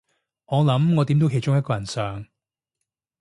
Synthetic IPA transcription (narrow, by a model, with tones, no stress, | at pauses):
ŋɔː˨˧lɐ˨˥mŋɔː˨˧t̪i˨˥mt̪o˨˥wkʰjt͡ʃʊ˥ŋjɐ˥tkɔː˧jɐ˨˩nsœː˨ŋ